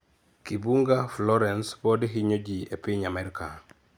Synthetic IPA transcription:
kibuŋɡaflɔɾɛnspɔdɦiɲod͡ʒiepiɲamɛɾika

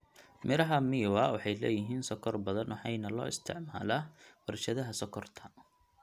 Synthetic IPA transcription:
mɪɾɐɦɐmiwɐwɑħɑjlɛ̰ːjɪɦiːnsɔkʰɔrbɐðɐnwɑħɑjnɐlɔ̰ːɪst̪ʰɪ̰ʕma̰ːlɐwɐrʃɐðɐɦɐsɔkʰɔrt̪ʰɐ

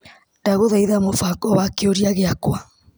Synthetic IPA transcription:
ndaɣoðaiðamofakɔβakeoɾiaɣeakwa

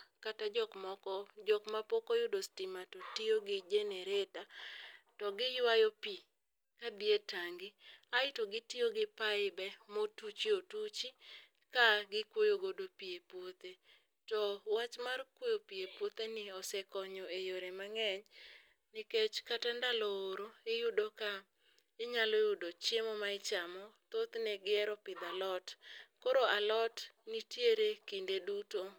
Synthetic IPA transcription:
katad͡ʒɔkmɔkɔd͡ʒɔkmapokojʊdostɪmatɔtioɡɪd͡ʒeneɾetatɔɡɪjwajopi | kabietaŋɡiaɪtoɡɪtioɡɪpaɪbɛmotut͡ʃiotut͡ʃi | kaɡɪkwojoɡodopiepwot̪e | tɔwat͡ʃmarkwojopiepwot̪enɪɔsɛkɔɲɔejoɾemaŋɛɲ | nɪket͡ʃkatandalɔoɾoejudoka | ɪɲalojʊdot͡ʃemɔmaɪt͡ʃamɔt̪ot̪nɛɡɪɛɾɔpɪd̪alɔtkoɾoalɔtnitjeɾekindeduto

